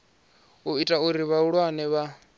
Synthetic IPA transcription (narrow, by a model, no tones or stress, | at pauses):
uitʼauɾiβauɺwanɛβa